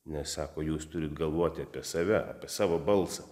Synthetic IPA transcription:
nʲɛssɑːkoːjuːst̪ʊɾʲɪt̪ɡɐlˠʋoːt̪ʲɪɐːpʲiɛsɑʋʲɛɑ̰ːpʲiɛsɑːʋoːbɐlˠsɑ

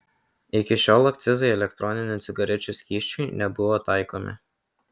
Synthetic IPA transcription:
ɪkʲɪʃʲoːlˠɐk̚t̪sʲɪzɐɪɛlʲɛkt̪ɾɔnʲɪnʲʊt̪sʲʊɡɐɾʲɛt͡ʃʲuˑsʲkʲiːʃʲt͡ʃʲuɪnʲɛbʊʋoːt̪ɑɪkomʲɪ̰

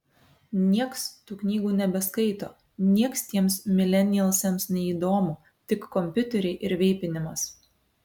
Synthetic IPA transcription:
nʲiɛkst̪uːknʲiːɡuːnʲɛbʲɛskɐɪt̪o̰ː | nʲiɛkst̪ʲiɛmsmʲɪlʲɛnʲɪɛlˠsʲɛmsnʲɛiːd̪oːmuː | t̪ʲɪkːɔmʲpʲʊt̪ʲɛɾʲɛɪʔɪɾʋʲɛɪpʲɪnʲɪmɐs

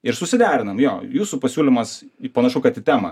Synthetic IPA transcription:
ɪɾsʊsʲɪd̪ʲæːɾʲɪnɐmjoːjuːsʊpɐsʲuːlʲɪmɐspɐnɐʃʊkɐt̪ʲɪt̪ʲæːmɐ

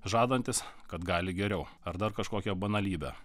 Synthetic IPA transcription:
ʒɑːd̪ɐnʲt̪ʲɪskɐt̪ɡɑːlʲɪɡʲɛɾʲɛʊ | ɐɾd̪ɐɾkɐʃkoːkʲɛbɐnɐlʲiːbʲɛ̰

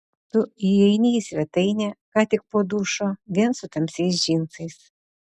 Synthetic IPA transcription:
t̪ʊiɛɪnʲiːsʲʋʲɛt̪ɐɪnʲɛkɑːt̪ʲɪk̚poːd̪uːʃoːʋʲiɛnsʊt̪ɐmʲsʲɛɪs̬ʒʲiːnsɐɪs

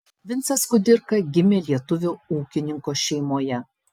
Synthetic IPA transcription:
ʋʲɪnt̪sʲɐskʊd̪ʲɪɾkɐɡʲɪmʲeːlʲiɛt̪ʊʋʲʊuːkʲɪnʲɪŋkoːʃʲɛɪmoːjɛ

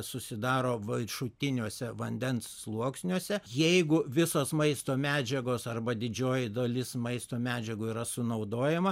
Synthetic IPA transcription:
sʊsʲɪd̪ɑːɾoːʋɐɪʃʊt̪ʲɪnʲuɔsʲɛʋɐnʲd̪ʲɛnsːlˠuɔksʲnʲuɔsʲɛjɛɪɡʊʋʲɪsoːsmɐɪst̪oːmʲæːd͡ʒʲɛɡoːsɐrbɐd̪ʲɪd͡ʒʲoːjɪd̪oːlʲɪsmɐɪst̪oːmʲæːd͡ʒʲɛɡʊiːɾɐsʊnɐʊd̪oːjɛmɐ

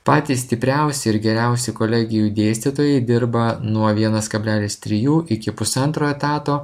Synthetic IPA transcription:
pɑːt̪ʲiːssʲt̪ʲɪpʲɾʲɛˑʊsʲɪɪɾɡʲɛɾʲɛʊsʲɪkoːlʲɛɡʲɪjuːd̪ʲeːsʲt̪ʲɪt̪oːjɛɪd̪ʲɪɾbɐnuɔʋʲiɛnɐskɐbʲlʲæːlʲɪst̪ʲɾʲɪjuːʔɪkʲɪpʊsɐnt̪ɾoːɛt̪ɑːt̪oː

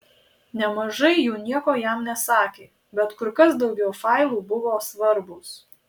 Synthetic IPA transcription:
nʲɛmɐʒɐɪjuːnʲiɛkoːjæˑmnʲɛsɑːkʲeː | bʲɛt̪kʊɾkɐsd̪ɒʊɡʲɛʊfɑˑɪlˠuːbʊʋoːsʋɐɾbʊs

